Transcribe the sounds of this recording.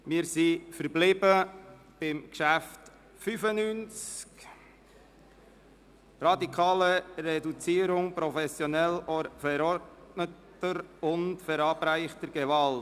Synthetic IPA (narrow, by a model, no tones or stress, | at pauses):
mɪːɾsifəɾblɪbə | b̥ɪmkʃæft | fyfənyːnt͡sk | rɑdikʰɑːləɾɛdut͡siːəɾʊŋpɾɔfɛsjɔnɛlɔfɛɾɔɾdnət | əɾʊntfɛɾɑːbɾæɪχtəɾɡ̥ɛvɑl